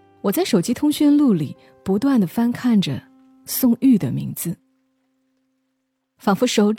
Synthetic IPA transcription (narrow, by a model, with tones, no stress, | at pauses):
wɔ˨˩t͡sa˥˩ɪʂo˨˩ʊt͡ɕi˥t̪ʰʊ˥ŋɕy˥˧nlu˥˩li˨˩˦ | pu˧˥t̪wa˥˩nd̪ə˩fa˥nkʰa˥˩nd͡ʒə˩ | sʊ˥˧ŋy˥˩d̪ə˩mḭ˧˥ŋd͡zɹ̩˧ | fɑ˨˩ŋfu˧˥ʂo˧˥ʊʈ͡ʂ